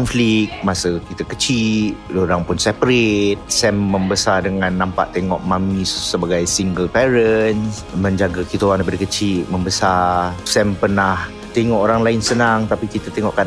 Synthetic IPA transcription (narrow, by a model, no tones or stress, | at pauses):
nflik̚masəkit̪akət͡ʃit̪̚doɾaŋpʊnsɛpɾet̪̚sɛmːəmbəsadəŋãnːampa̰ʔt̪eŋɔ̰ʔmãmĩsːəbaɡajsiŋɡəlpɛɾənsmə̃ɲd͡ʒaɡakit̪oaŋndajpadakət͡ʃit̪̚məmbəsasɛmpərnah | t̪eŋɔʔoɾaŋlaɪnsənaŋt̪apikit̪at̪eŋɔʔka